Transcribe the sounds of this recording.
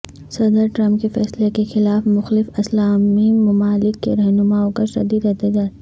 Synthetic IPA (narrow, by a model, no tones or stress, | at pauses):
sɐd̪əɾʈɾɐ̃mp̚kefɛːslekexɪlaːfmʊxlɪfɐslaːmimʊmaːlɪkːḛɾɐɦnʊmaːõkaɾʃɐ̰d̪id̪ɐt̪ed͡ʒaː